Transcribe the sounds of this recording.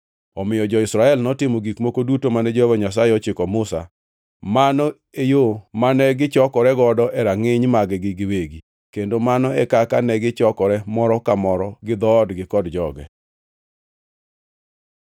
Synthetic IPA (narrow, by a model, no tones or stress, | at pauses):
ɔmɪjɔd͡ʒɔɪsɾaɛlnɔtɪmɔɡikmokodutomanɛd͡ʒɔɛwɔɲas̬aeɔt͡ʃɪkɔmʊsa̰ | manɔ | ejomanɛɡɪt͡ʃɔkɔɾɛɡɔdɔʔɛɾaŋɪɲmaɡɛɡɪɡɪweɡi | kendomanɔɛkakanɛɡɪt͡ʃɔkɔɾɛmɔɾɔkamɔɾɔɡɪd̪ɔdɡɪkɔdd͡ʒɔɡɛ̰